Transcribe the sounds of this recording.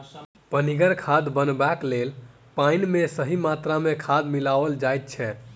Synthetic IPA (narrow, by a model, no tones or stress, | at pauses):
pəniɡəɾkʰad̪bənbaklel | painmesəɦimat̪ɾamekʰad̪milaʋəld͡ʒajt̪̚t͡ʃʰɛ